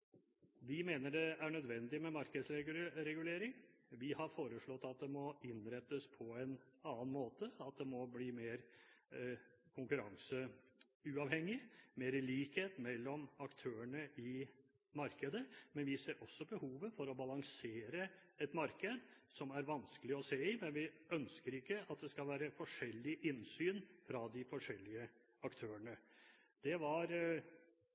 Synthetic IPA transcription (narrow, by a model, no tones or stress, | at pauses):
ʋɪmeːnəɖɛæɳœd̪ʋɛnd̪ɪmɛmɑɾkəd̪sɾɛɾɛɡʉleːɾɪŋʋɪhɑɾfoːɾəʂɭɔt̪ːɑt̪̚d̪ɛmɔɪnɾɛt̪ːəspʰɔɛnɑːnmoːt̪əɑt̪̚d̪ɛmɔbliːmeːɾ | kʰʊŋkʉɾɑŋsə | ʉːɑʋhɛŋːɪmeːɾəliːkheːt̪mɛlːɔmɑkt̪ʰøːəɳəɪ | mɑɾkəd̪əmɛnʋɪseːɾʔɔsːɔbəhuːʋəfɔɾɔbɑlɑŋseːɾəɛt̪mɑɾkəd̪ | sɔmæɾʋɑnskəlɪɔseːɪmɛnʋɪʔœnskəɾɪkːəʔɑt̪̚d̪ɛskɑlʋæːɾəfɔʂɛlːɪʔɪnsyːnfɾɑd̪ɪfɔʂɛlːɪə | ɑkt̪ʰøːəɳə | d̪̥ɛʋɑɾ